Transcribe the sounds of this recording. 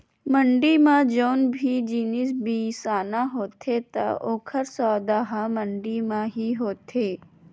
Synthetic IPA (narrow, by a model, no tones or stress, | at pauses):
məɳɖimãd͡ʒoːnbʱid͡ʒiːnɪsbʱiːsaːnãɦoːt̪ʰet̪ɐ̰oːkʰəɾsɔːd̪aːɦaməɳɖimãɦiɦoːt̪ʰeː